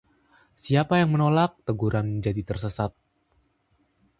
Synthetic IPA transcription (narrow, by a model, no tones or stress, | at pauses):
siapajaŋmənolak̚t̪əɡuɾanməɲd͡ʒadit̪ərsəsat̪̚